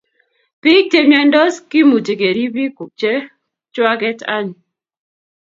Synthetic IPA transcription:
pi˦k̚te˦ɲɛ˦ndɔ˦ski˦mu˨t͡ʃe˨ɡe˨ɾi˦bi˦ku˨k̚t͡ʃe˦ | t͡ʃwa˦ɡɛ˦ta̰˦ɲ˨

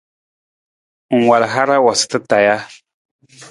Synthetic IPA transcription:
u˨ŋwa˨la˨ɦa˦ɾa˦wa˨sɪ̥t̪a˦t̪a˨ja˦

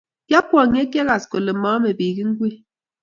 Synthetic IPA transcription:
ja˦pwɔ˨ɲe˦ke˦ɣa˨sko˨le˨mɔ˨˦me˨bi˨ɡi˦ŋ̩˦ɡwi˦

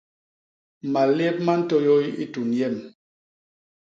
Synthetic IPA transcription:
ma˨lɛ˦p̚ma˦n̩˦tɔ˦jo˦i˦i˦tu˨njɛ˦˨m

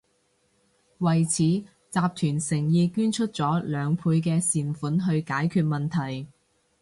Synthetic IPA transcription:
wɐ˨˩jt͡sʰiː˨˥ | t͡saː˧p̚t̪ʰyː˨˩nsɪ˨˩ŋjiː˧kyː˥nt͡ʃʰɵ˥t̚t͡sɔː˨˥lœː˨˧ŋpʰuː˧jk̬ɛː˧siː˨nfuː˨˥nɦɵ˧ɥkaː˨˥jkʰyː˧t̚mɐ˨nt̪ʰɐ˨˩j

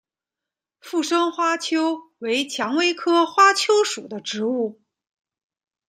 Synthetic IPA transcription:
fu˥˩ʂɤ˥ŋxwa˥t͡ɕʰjo˥ʊwe˧˥ɪt͡ɕʰjɑ˧˥ŋwe˥ɪkʰɤ˥xwa˥t͡ɕʰjo˥ʊʂṵ˨˩d̪ə˦ʈ͡ʂɻ̩˧˥u˥˩

